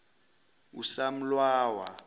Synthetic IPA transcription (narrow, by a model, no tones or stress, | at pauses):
ṵsam̩lwaːwa̰